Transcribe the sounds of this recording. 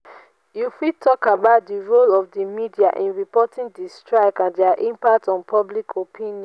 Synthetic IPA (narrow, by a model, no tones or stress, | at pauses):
jufitʰɔkabaʊt̚diɹolɔfdimidiaʔĩnɹipɔtĩŋdistɹaɪkãndɛaʔĩmpak̚tɔ̃npʰɔblikʰopʰĩnjɔ̃n